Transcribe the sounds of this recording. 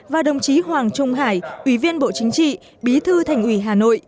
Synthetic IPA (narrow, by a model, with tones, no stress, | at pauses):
vaː˨˩ɗə˨˩wŋ͡mt͡ɕi˨˦ɦwaː˨˩ŋt͡ɕʊ˧ŋ͡mɦaː˧˩jʔwi˧˩vi˧ənɓo̰˧˨t͡ɕï˨˦ŋ̟t͡ɕḭ˧˨ | ɓi˨˦t̪ʰɨ˧t̪ʰa˨˩jŋ̟ʔwi˧˩ɦaː˨˩no̰˧˨jʔ